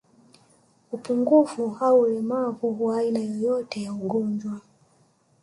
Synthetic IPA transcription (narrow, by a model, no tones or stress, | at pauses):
upuŋɡufuhaulɛmavuwaːinajɔjɔtɛjauɡɔɲd͡ʒwa